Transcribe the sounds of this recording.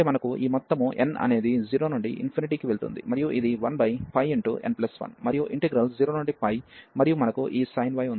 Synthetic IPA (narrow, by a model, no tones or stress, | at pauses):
emɐnɐkuʔiːmɔt̪ːɐmuʔe̞̰nɐ̰ne̞ːd̪id͡ʒiːɾoːnuɳɖiʔḭnpʰiniʈiːkiʋe̞ɭut̪ṵnd̪ḭmɐɾijuʔid̪iʋɐnbɐjpʰɐjiɳʈṵʔe̞̰nplɐsʋɐ̰nmɐɾijuʔiɳʈiɡɾɐld͡ʒiːɾo̞ːnuɳɖipɐjmɐɾijumɐnɐkuʔiːsɐjnʋɐjundi